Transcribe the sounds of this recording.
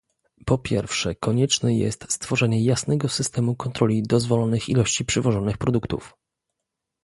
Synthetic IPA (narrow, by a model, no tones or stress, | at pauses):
pɔpʲjɛɾfʂɛkɔɲɛt͡ʂnɛjɛ̰st̪st̪fɔʐɛɲɛjasnɛɡɔsɘst̪ɛmukɔnt̪ɾɔlʲid̪ɔzvɔlɔnɘxilɔɕt͡ɕipʂɛvɔʐɔnɘxpɾɔd̪ukt̪ṵf